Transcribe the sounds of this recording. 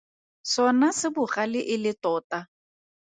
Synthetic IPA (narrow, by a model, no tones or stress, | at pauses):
sɔnasɪbʊχalɪʔɪlɪtɔːta